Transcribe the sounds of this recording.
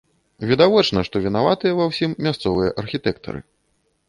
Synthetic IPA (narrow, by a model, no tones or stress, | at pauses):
vʲid̪avɔt͡ʂnɐʂt̪ɔvʲinavat̪ɨjɐvawsʲimːʲast̪sɔvɨjɐʔɐrxʲit̪ɛkt̪ɐ̰ɾɨ̰